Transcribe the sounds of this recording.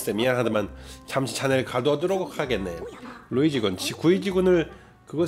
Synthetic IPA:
st͈emiaɦadɯmant͡ɕamɕʰi̥t͡ɕaneɾɯɭkadoʌdɯɾʌɡokʰaɡenːe̞̰loid͡ʑiɡunt͡ɕʰikuid͡ʑiɡunɯɭ | kɯɡʌ

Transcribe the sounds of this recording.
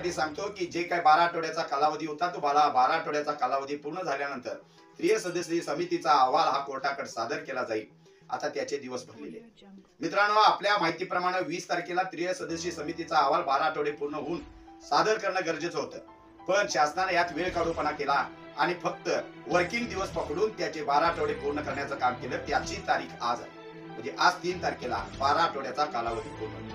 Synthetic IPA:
ʈ̪iːsãŋɡt̪okiːd͡ʑekaibaɾaʈʰəʋɽjat͡sakalaʋəd̪ʱiːɦut̪at̪ub̤alabaɾaʈʰəɽjat͡sakalaʋəd̪ʱiːpuɾɳəd͡zʱalljanənt̪əɾ | t̪ɾijəsəd̪əɕisəmit̪it͡saːʋalɦakoɾʈakəɽsad̪əɾkelad͡zaḭː | a̰t̪at̪jat͡ɕed̪iʋəsbʱəɾlḛlḛ | mit̪ɾanəʋaːpljamaɦit̪iːpɾəmaɽ̃eʋiːst̪əɾkelat̪ɾijəsəd̪əɕiːsəmit̪it͡saːʋalbaɾaʈʰəʋɽepuɾɳəɦuːn | sad̪əɾkəɾɳəɡəɾd͡ʑət͡sɦot̪əː | pəɳɕasnanjat̪ʋeɭkaɽupəɳakelaː | ɽ̃ifək̚t̪əʋəɾkiŋɡd̪iʋəspəkɽuːnt̪jat͡ɕebaɾaʈəɽepuɾɳəkəɾɳjat͡səkamkeləːt̪jat͡ɕiːt̪aɾiːkʰa̰d͡z̰ | m̤ə̃ɳd͡zeʔad͡zt̪iːnt̪aɾkela̰baɾaʈoɽjat͡sakalaʋəd̪ipuɾɳə̰ɦ

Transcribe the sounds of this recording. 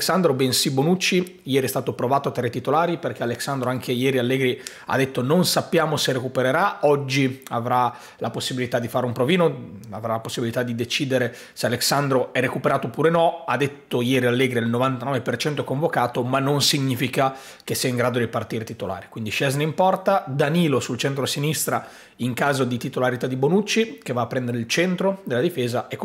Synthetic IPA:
ksand̪ɾobensibonut͡ʃːi | jɛːɾiɛst̪aːt̪opɾovaːt̪oat̪ɾet̪ːit̪olaːɾiperk̟ealeksand̪ɾoaŋk̟ʰejɛːɾialːeːɡɾi | a̰d̪ːet̪ːononsapːjaːmoserekupeɾeɾaɔd͡ʒːiavɾa | laposːibilit̪ad̪ifaːɾeumpɾoviːnoa̰vɾalaposːibilit̪ad̪id̪et͡ʃiːd̪eɾe | sealeksand̪ɾoɛrekupeɾaːt̪opuːɾenɔad̪et̪ːojɛːɾialːɛːɡɾiailnovant̪anɔːvepert͡ʃɛnt̪oɛkoɱvokaːt̪omanːonsiɲːiːfika | kesːiaiŋɡɾaːd̪od̪ipart̪iːɾet̪it̪ola̰ːɾikwind̪iʃɛzneimpɔrt̪ad̪aniːlosult͡ʃɛnt̪ɾosinist̪ɾa | iŋkaːzod̪it̪it̪olaɾit̪ad̪ibonut͡ʃːikevaːpːɾɛnd̪eɾeilt͡ʃɛnt̪ɾod̪elːad̪ifeːzaekː

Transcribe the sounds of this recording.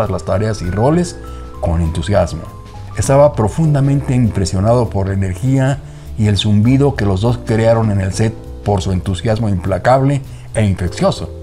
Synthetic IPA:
azlast̪aɾe̞asiro̞le̞s | ko̞ne̞nt̪usjazmo̞̰ | est̪aβapɾo̞fund̪amẽ̞nt̪e̞impɾe̞sjo̞naðo̞po̞ɾlaene̞ɾxia | ie̞lsumbiðo̞ke̞lo̞zðo̞skɾeaɾo̞ne̞ne̞lse̞t̪̚ | po̞ɾsue̞nt̪usjazmo̞implakaβle̞ | eiɱfe̞ksjo̞so

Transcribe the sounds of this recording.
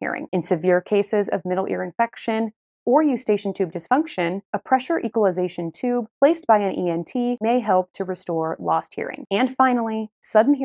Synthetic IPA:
ḭɹɪ̰̃ŋɨ̃nsɨvɪɹkʰeɪsɪzʌ̰vmɪɾl̩ˠʔɪ̰ɹɨ̃ɱfɛkʃɨ̃n | ə˞jʉz̥steɪʃn̩tʰʉb̚dɨsfʌ̃ŋkʃɨ̃nəpʰɹ̥ɛʃə˞ʔikwəlˠəzeɪʃɨ̃ntʰʉb̚pʰl̥eɪsb̥aɪɨ̃nʔiɛ̃ntʰimeɪɦɛlˠp̚tʰɨɹɨstɔɹlɔ̰st̚hḭɹɪ̰̃ŋɨ̃nfãɪ̃nl̩ˠisʌdⁿn̩ɦi

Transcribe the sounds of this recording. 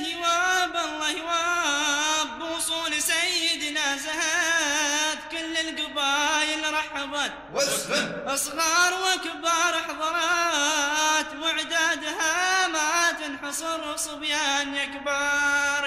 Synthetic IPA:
hɪwabɑlˤːɑhwa | bːwʊsˤuːlisajɪd̪naːzaha | t̪kʊlːɪlɡʊbaːjɪlɾˤɑħabaːt̪ | ʔɑsˤɣɑːɾˤwakbɑɾˤɑħɑðˤɑɾˤɑ | t̪wɪʕd̪aːd̪hamat̪ɪnħɨsˤɨɾʊsˤʊbjanjakbɑɾˤ

